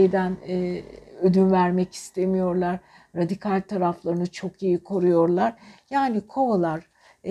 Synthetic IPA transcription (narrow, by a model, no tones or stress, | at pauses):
ejd̪ænː | ød̪ynvæɾmɛci̥st̪ʰe̞mijo̞ɾlˠaɾ | ɾad̪ikʰalʲt̪ʰaɾaflˠaɾɯnɯt͡ʃʰo̞kijikʰo̞ɾujo̞ɾlˠaɾjaːnikʰo̞olˠaɾ̥